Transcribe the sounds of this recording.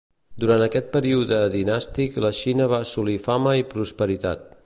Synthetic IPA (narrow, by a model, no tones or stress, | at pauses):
d̪uɾant̪əkɛt̪̚pəɾiuðəðinast̪ikləʃinəβasulifaməipɾuspəɾit̪a̰t̪̚